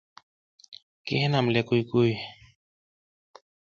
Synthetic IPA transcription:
kehenamlekujkuj

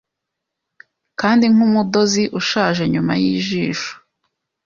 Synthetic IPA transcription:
kaːndiŋ̥umudo̞ziʔuʃaːʒe̞ɲuma̰jiʒiːʃu̥

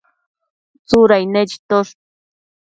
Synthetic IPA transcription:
t͡suɾajnet͡ʃi̥t̪oʃ

